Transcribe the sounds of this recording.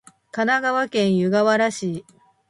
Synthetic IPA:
kanaɡaβakẽ̞ɰ̃jɯɡaβaɾaɕiː

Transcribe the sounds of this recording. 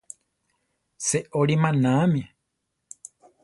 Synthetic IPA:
seʔoɾimãnãmĩ

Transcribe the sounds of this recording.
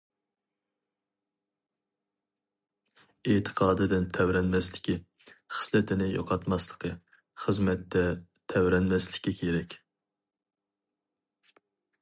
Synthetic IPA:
et̪ʰə̥qʰɑːd̪ɨd̪ɪnt̪ʰɛwɾɛnmɛslɪkʲi | χə̥slɪt̪ʰɪnɪjo̰qʰɑt̪mɑslˠəqʰə | χəzmɛt̪ːɛt̪ʰɛwɾɛnmɛslɪkʲːɛkʲʰeɾɛkʲ

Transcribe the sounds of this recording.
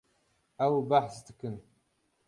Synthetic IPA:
awbaħstʰɨ̥kʰɨn

